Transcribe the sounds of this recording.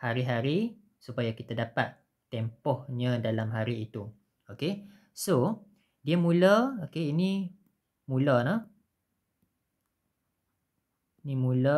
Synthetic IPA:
haɾiɦaɾi | supajakit̪adapat̪ː | ɛmpɔhɲãdalamɦaɾiːt̪u | oke | so | diamũləokeinĩ | mũlənə | inimũlə

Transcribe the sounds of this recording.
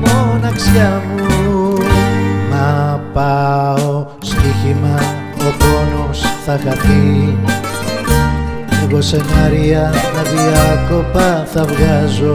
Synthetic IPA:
monɐksjɐmu | mɐpɐo | st̪içimɐ | oponosθɐxɐt̪i | iɣosenɐɾiɐnɐðiɐko̞pɐθɐvɣɐzo̞

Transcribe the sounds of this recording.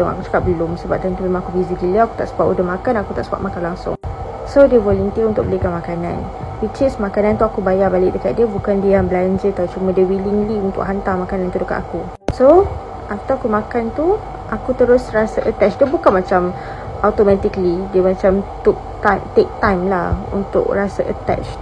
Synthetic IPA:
a̰kusu̥kap̚bəlʊmsəbap̚t̪ənt̪umemãŋakubiziɡiliəaku̥t̪aʔsəbaʔṵdəhmakanakut̪aʔsəba̰ʔmakanlaŋsʊ̰ŋ | sodiəvɔlənt̪iəunt̪ʊ̰k̚bəlikanmakana̰n | wit͡ʃɪsmakanant̪uakubajabalɪk̚dəkat̪̚diəbukandiaŋbəlaɲd͡ʒət̪aut͡ʃumə̃dəwiliŋliunt̪ʊ̰ʔɦant̪aŋmakanant̪udəkat̪aku | so | ʔat̪akumakant̪u | ʔakut̪əɾʊsrasəʔət̪at͡ʃdəbukanmat͡ʃam | ʔat̪omat̪iklidiəmat͡ʃamt̪uʔt̪amt̪ek̚t̪ãjmlahṵnt̪ʊ̰kɹasaʔə̰t̪ɛ̰t͡ʃ

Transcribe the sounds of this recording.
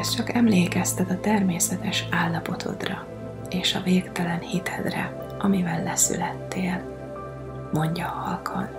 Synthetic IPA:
ɛst͡ʃɒkɛmleːkɛst̪ɛd̪ɒt̪ɛrmeːsɛt̪ɛʃaːlːɒpo̞t̪ʰo̞̰d̪rɒ | eːʃɒveːkt̪ɛlɛnhit̪ʰɛd̪rɛ̰ | ʔɒmivɛlːɛsy̰lɛt̪ːeːl | mo̞ɲɟɒːhɒlkʰo̰n

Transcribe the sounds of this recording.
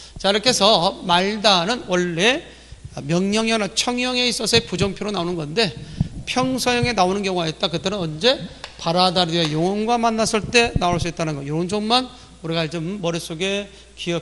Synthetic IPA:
t͡ɕaiɾʌkʰe̞sʰʌmaɭdanɯnwʌɭːe̞ | mjʌŋɲʌŋjʌnat͡ɕʰʌŋjʌŋe̞is͈ʌsʰʌepud͡ʑʌŋpʰjoɾonaonɯnɡʌnde̞pʰjʌŋsʰʌjʌŋe̞naonɯnkjʌŋuaɦet̚t͈akɯt͈e̞nɯnʌnd͡ʑe̞paɾadaɾejoŋʌnɡwamanːas͈ʰɯɭt͈e̞naoɭs͈uit̚t͈anɯnɡʌjoɾnd͡ʑʰonman | uɾiɡat͡ɕomːʌɾes͈oɡe̞ | kiʌ

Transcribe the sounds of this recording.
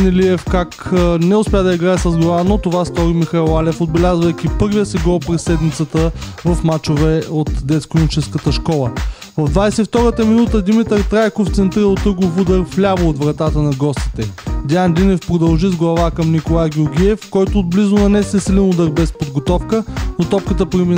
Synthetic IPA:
nɛliɛfkaknɛʊspʲjad̪ɐiɡɾaɛsəzɡlˠɐvanot̪ovast̪ɔɾimixaɛlˠalɛfod̪̚bɛlʲazvəjk̟ʲipɤɾvʲijəsɛɡɔpɾɛsːɛd̪mit̪sət̪ə | vɐfmat͡ʃovɛot̪d̪ɛt̪skɾonit͡ʃɛskət̪əʃkɔlˠə | vɐvd̪vajsɛift̪ɔɾət̪əminut̪əd̪imit̪əɾt̪ɾajkoft̪sɛnt̪ɾiɾəlˠt̪ɤɡofud̪əɾflʲavəot̪vɾɐt̪at̪ənɐɡɔst̪i̥t̪ɛd̪ɛand̪inɛfpɾod̪ɐlˠʒizɡlˠɐvakəmnikolˠajɡʲʊɾɡʲiɛfkɔjt̪oːd̪̚blizʊnɐnɛsɛsilʲɛnud̪əɾbɛspod̪ɡot̪ɔfkənot̪ɔpkət̪əpɾimi

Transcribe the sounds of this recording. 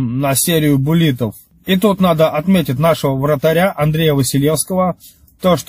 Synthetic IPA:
nɐsʲeɾʲɪjʊbʊlʲit̪əf | it̪ut̪nad̪əʔɐt̪mʲetʲɪt̬̚ʲnaʂəvəvɾət̪ɐɾʲaʔɐnd̪ɾʲejəvəsʲɪlʲe̞fskəvə | t̪oʂt̪

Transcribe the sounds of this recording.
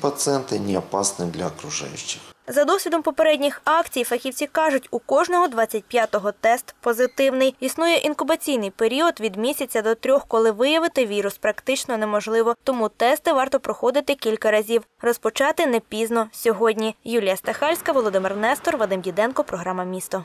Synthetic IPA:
pɐt̪sɨɛnt̪ɪnʲiɐpɑsnɪd̪lʲɐɐkɾʊʒɑ̰jʊt͡ʃːɪ̥xzɐd̪ɔsʲʋʲid̪ɔmpɔpeɾɛdʲnʲixɑkt͡sʲijfɐxʲiwt͡sʲikɑʒʊtʲukɔʒnɔɦɔd̪ʋɑt͡sʲːɐt̚ʲpjat̪ɔɦɔt̪ɛst̪pɔzɪt̪ɪwnɪjisnujɛʔinkʊbɐt͡sʲijnɪjpeɾʲiɔd̪ʋʲid̪mʲisʲɐt͡sʲːɐd̪ɔt̪ɾʲɔxkɔlˠɪʋɪjɐʋɪt̪ɪʋʲiɾʊspɾɐkt̪ɪt͡ʃnɔnɛmɔʒlˠɪʋɔt̪ɔmut̪ɛst̪ɪʋɑrt̪ɔpɾɔxɔd̪ɪt̪ɪkʲilʲkɐɾɐzʲiw | rɔspɔt͡ʃɑt̪ɪnɛpʲiznɔsʲɔɦɔdʲnʲijulʲijɐst̪exɑlʲsʲkɐʋɔlˠɔd̪ɪmɪrnɛst̪ɔrʋɐd̪ɪmdʲid̪ɛnkɔpɾɔɦɾɑmɐmʲist̪ɔ

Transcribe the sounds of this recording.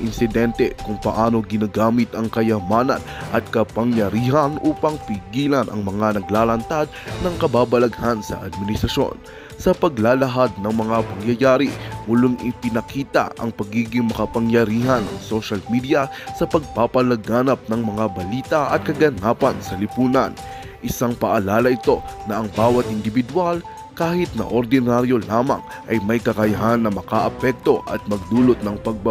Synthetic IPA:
ʔɪnsɪd̪ɛnt̪ɛkʊŋpɐ̰ʔaːno̞ɡɪnaːɡaːmɪt̪ɐŋkɐjɐmaːnɐ̰nʔɐ̰t̪̚kɐpɐŋjɐɾiːɦɐnʔuːpɐŋpɪɡiːlɐnʔɐ̰ŋmɐŋanɐɡlaːlɐnt̪ad̪̚nɐŋkɐbaːbɐlɐɡhansɐ̰ʔɐd̪̚mɪnɪst̪ɾɐʃo̞̰n | sɐpɐɡlaːlɐɦad̪̚nɐŋmɐŋapɐŋjɐjaːɾimʊlʊŋʔɪpɪnɐkiːt̪ɐ̰ɐ̰ŋpɐɡiːɡɪŋmɐkɐpɐŋjɐɾiːɦɐnɐŋsoʃɐlmid̪ijɐsɐpɐɡ̚papɐlɐɡaːnɐp̚nɐŋmɐŋabɐliːt̪ɐʔɐ̰t̪̚kɐɡɐnaːpɐnsɐlɪpuːnɐn | ʔɪsaŋpɐʔɐlaːlɐʔɪt̪o̞nɐʔɐŋbaːwɐt̪̚ʔɪnd̪ɪbɪd̪wal | kaːhɪt̪̚nɐ̰ʔoɾd̪ɪnaɾjo̞laːmɐ̰ŋ | ʔɐjmɐjkɐkɐjɐɦanːɐmɐkaʔɐpɛk̚t̪o̞ʔɐ̰t̪̚mɐɡ̚d̪uːlot̪̚nɐŋpɐɡ̚b

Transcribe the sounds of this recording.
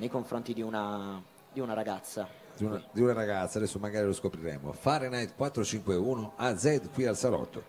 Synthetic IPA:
nejkoɱfɾont̪id̪iuna | d̪iunaɾaɡat̪sːa | d̪unad̪iunaɾaɡat̪sːad̪ɛsːomaɡaːɾiloskopɾiɾɛ̰ːmo̰faɾenajt̪kwat̪ːɾot͡ʃiŋkweuːnoad̪zɛd̪kwialsalɔ̰t̪ːo

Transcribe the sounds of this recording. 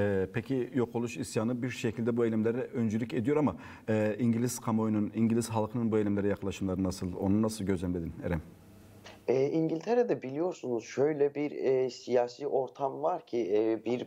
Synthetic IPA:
ɛpʰecʰijo̞kʰolˠuʃisjaːnɯbiɾʃecʰilʲd̪ɛbuejlʲɛmlʲeɾɛønd͡ʒylʲyce̞d̪ijo̞ɾama | ɛːiɲɟilʲiz̥kʰamo̞jnuniɲɟilʲiz̥ɦalˠkʰɯnɯnbuelʲɛmlʲeɾɛjaklˠaʃɯmlˠaɾɯnasɯlˠonunasɯlˠɟøzlʲɛmled̪ineɾɛm | ɛːiɲɟilʲt̪ʰeɾɛd̪ɛbilʲijo̞ɾsunuz̥ʃøjlʲɛbiɾɛsijaːsiːʔo̞ɾt̪ʰamvaɾcʰibiɾ

